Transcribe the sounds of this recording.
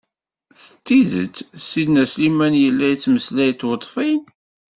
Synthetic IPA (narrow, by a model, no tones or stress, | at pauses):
θə̥t͡s̪ːiðə̰t͡sːsid̪næslimænjəlːæjt͡sːməslæjt̪ːwət̪ˤːfin